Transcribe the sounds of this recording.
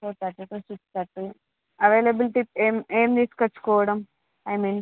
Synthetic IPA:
tot̪ɐʈːut̪osutt̪ɐʈːu | ɐʋeːlebilʈip̚eːmeːmd̪iːskɐt͡ʃːu̥kɔːʋɐɽɐm | ɐjmiːn

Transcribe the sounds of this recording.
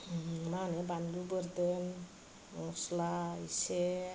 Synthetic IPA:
manebandubəɾd̪en | ŋɔslaise

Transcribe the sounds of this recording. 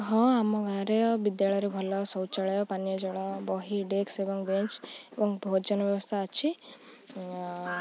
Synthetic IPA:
ɦɔ̃amɔɡaɾebid̪jaɭɔjɾebʱɔlɔsɔwt͡ʃaɭɔjɔpanijɔd͡ʒɔɽɔbɔɦiɖeksebɔŋbent͡ʃebɔŋbʱod͡ʒɔnɔbjɔbɔst̪ʰaːt͡ʃʰi

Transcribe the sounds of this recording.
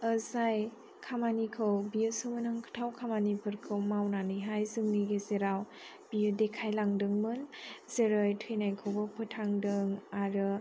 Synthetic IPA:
əzaj | kʰamanikʰɯwbijɯsɯmɯnɯŋkʰɯ̥tʰawkʰamanipʰɯɾkʰɯwmawnanɯɦajzɯŋniɡezeɾaw | b̥iɯdekʰajlaŋdɯŋmɯnzeɾɯjtʰɯjnajkʰɯwbɔpʰɯtʰaŋdɯŋaɾɯ

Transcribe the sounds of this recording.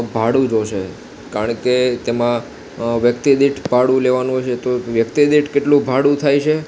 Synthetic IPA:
bʱaɽũd͡ʒoʃe | kaɾəɳket̪emã | ʋjəkt̪id̪iʈʰbʱaɽũleʋanũɦojt͡ʃet̪oʋjəkt̪id̪iʈʰkeʈlũbʱaɽũt̪ʰajt͡ʃʰe

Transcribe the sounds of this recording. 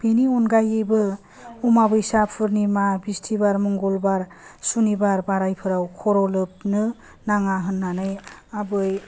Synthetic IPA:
b̥eniɔnɡajɯbɯ | umabɯjsapʰɯɾnimabistʰibaɾmɔŋɡɔlbaɾ | sunibaɾbaɾajpʰɯɾawkʰɔɾɔlɯp̚nɯ | naŋaɦɯnːanɯjabɯj

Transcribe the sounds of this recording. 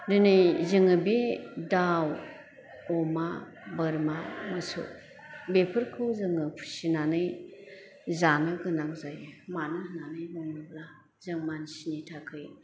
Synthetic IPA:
ɾinɯjzɯŋɯbidaw | ɔma | bəɾmamɯsṵ | bepʰɯɾkʰɯwzɯŋɯpʰu̥sinanɯj | zanɯɡɯnaŋzajmanɯhnanɯjbuŋɯbla | zɯŋmansinitʰakʰɯj

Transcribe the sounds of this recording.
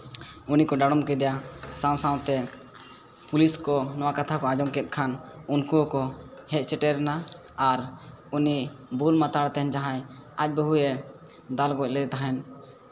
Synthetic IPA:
unikɔɖaɽ̃ɔmkɛd̪ɛjasãw̃sãw̃t̪ɛ | puliskɔnɔwakat̪ʰakɔad͡ʒɔmkɛt̪̚ˀkʰanunkukɔhɛt̪̚ˀt͡ʃɛʈɛɾɛnaaɾ | unibulmat̪aɽt̪ɛnd͡ʒaɦãjac̚ˀbəɦujɛ | d̪alɡɔc̚ˀlɛt̪aɦɛn

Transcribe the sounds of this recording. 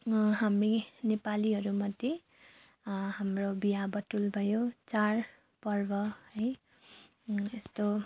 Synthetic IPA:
ɦamrinepaliɦʌɾumʌd̪je | hamrobijabʌʈulbʱʌjot͡sar | pʌrbʌɦʌj | est̪o

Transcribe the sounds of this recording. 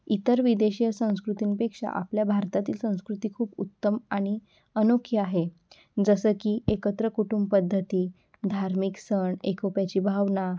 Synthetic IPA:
it̪əɾʋid̪eɕijəsə̃w̃skɾut̪iːnpekʂa̰ʔa̰pljabʱaɾt̪at̪iːlsə̃w̃skɾut̪iːkʰuːbut̪ːəmaɽ̃i | ənokʰːjəaɦe | d͡zəsəːkiːʔekət̪ɾəkuʈumbpəd̪ʱːət̪iː | d̪ʱaɾmiksəɳekʰopjat͡ɕiːbʱaʋna

